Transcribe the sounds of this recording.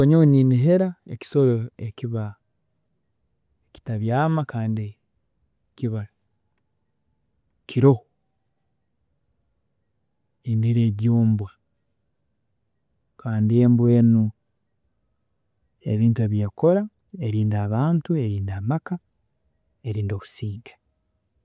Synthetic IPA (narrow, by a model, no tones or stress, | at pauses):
oɲoniniɦe̞ɾaḛci̥so̞loekiβa | eci̥taβjaːmakaːndi | kiβala | kʰiɾo̞ho | indiɾeːɟoːmbwa | kaːndieːmbwe̞ːnu | e̞̰βiːntueβjeko̞ɾa | e̞ɾiːndaːβaːntueɾiːndamaka | eɾiːndo̞ːβu̥siːŋɡḁ